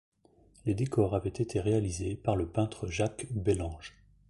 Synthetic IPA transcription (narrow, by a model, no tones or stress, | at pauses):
led̪ekɔʁavɛt̪et̪ʰeʁealizepaʁləpɛ̃t̪χəʒakbelɑ̃ʒ